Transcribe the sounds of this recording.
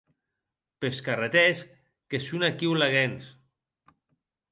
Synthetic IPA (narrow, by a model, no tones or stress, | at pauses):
peskaret̪ɛs | kesunakiwlaɣens